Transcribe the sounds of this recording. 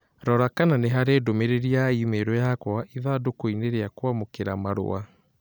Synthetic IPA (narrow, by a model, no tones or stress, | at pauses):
ɾɔɾakananeɦaɾeːdomeɾeɾiaimeɾɔjakwaʔiðadokoineɾeakwamokeɾamaɾo̰a